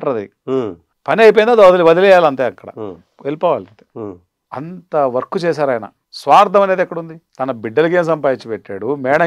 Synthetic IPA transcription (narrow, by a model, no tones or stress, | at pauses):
ʈɐɾɐd̪ḭ | pɐniɐjp̬ojind̪aːd̪ɐd̪ilʋɐd̪ilɛjaːlɐnt̪eːɐkːɐɽɐ̰ | elipɔːʋaːlɐnt̪eː | ɐnt̪ɐʋɐɾkut͡ʃɛːsaːɾɐːjɐnɐ̰ | sʋaːɾd̪ʱɐmɐne̞ːd̪ɛkːɐɽund̪it̪ɐnɐbiɖːɐluk̬eːms̬ɐmpaːjit͡ʃːɐpeʈːaːɽumɛːɳɐ